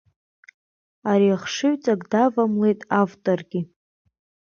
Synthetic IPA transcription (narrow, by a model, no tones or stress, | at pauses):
aɾiaχʂɨɥt͡sʼakʼdavamle̞jtʼavtʼorɡʲɪ